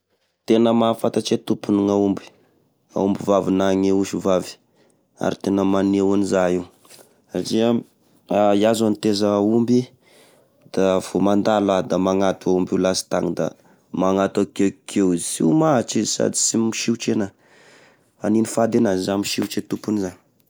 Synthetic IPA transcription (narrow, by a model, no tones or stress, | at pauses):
t̪enəmafat̪at͡ʃet̪upuniŋaumbi̥ | a̰umbivavinaŋeuʃuvavi̥ | a̰ɾit̪enəmanewanizaiw | saʈ͡ʂia | aiazanit̪ezaumbi | d̪̥afomand̪alad̪amaŋat̪uaumbiwlasi̥t̪aŋid̪a̰ | maŋat̪akekʰewizsḭmaɦat͡ʃizisa̰d̪i̥simiʃiwt͡ʃenə | aninifad̪enazizamiʃiwt͡ʃet̪upunzaŋ